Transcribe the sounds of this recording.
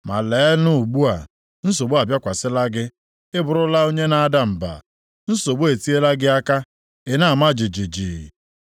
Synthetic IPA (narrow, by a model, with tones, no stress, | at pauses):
ma̰˨lɛː˨˦nʊ˦˨ɡ͡bu˦a˨ | n̩˦s̬o˨bu˦a˨bja˦kʷa˨sɪ˦la˦ɡɪ˦ | ɪ˦bʊ˨ɾʊ˦la˦o˦ɲe˦na˦a˦da˦m̩˨ba̰˨ | n̩˦so˨bo˦e˨ti˦e˦la˦ɡɪ˦a˦ka˦ | e˨na˦˨ma˦d͡ʒɪ˨d͡ʒi˨d͡ʒḭ˨